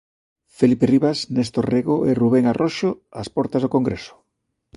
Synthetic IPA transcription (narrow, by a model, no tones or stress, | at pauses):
feliperiβasnest̪oreɣoʔeruβ̞eŋarʔoʃoaspɔɾt̪azðokoŋɡɾeso̥